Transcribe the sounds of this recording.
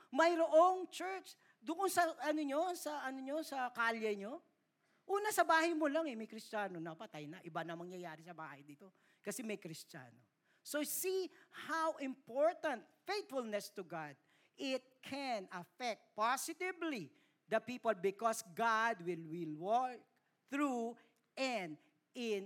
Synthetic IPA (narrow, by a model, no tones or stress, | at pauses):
mɐjɾoʔoŋt͡ʃɛɹt͡ʃ | d̪ʊʔonsɐɐnoɲo̞sɐʔɐnoɲosɐkaljɐɲo̞ | ʔuːnɐsɐbaːhɐjmolaŋɛmɐjkɾɪst͡ʃaːnonɐpɐt̪ajnɐʔɪbanɐmɐŋjɐjaːɾɪsɐba̰ːhɐjd̪iːt̪o | kɐsɛmɐjkɾɪst͡ʃa̰no | sosihawʔɪ̃mpoɹt̪ɐ̃nt̪̚fejt̪fʊlnɛst̪ʊɡad̪̚ | ʔɪt̪̚kʰɛnɐfɛk̚t̪̚pasɪt̪ɪbli | d̪ɐpiːpolbɪkɔsɡad̪̚wɪlwɪlwɔk̚ | θɹu | ʔɛnd̪ | ɪn